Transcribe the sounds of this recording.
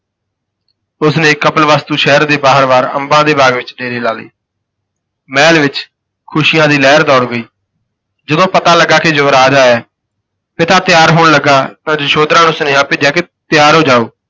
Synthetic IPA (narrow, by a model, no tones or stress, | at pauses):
ʊsnẽːkəpəlʋaːst̪uːʃɛːəɾd̪eːbaːɦəɾʋaːɾə̰mbãːd̪eːbaːɡʋɪt͡ʃɖeːɾiːlaːlḭː | mɛːlʋɪt͡ʃ | kʰʊʃɪjãːd̪iːlɛːɾd̪ɔːɽɡəiː | d͡ʒəd̪õːpət̪aːləɡːaːked͡ʒəːɾaːd͡ʒaːɛː | pɪt̪aːt̪ɪjaːɾɦoːɳləɡaːt̪ãːd͡ʒəʃoːd̪ɾãːnʊsnẽːãːpeːd͡ʒjaːket̪ɪjaːɾɦoːd͡ʒaːoː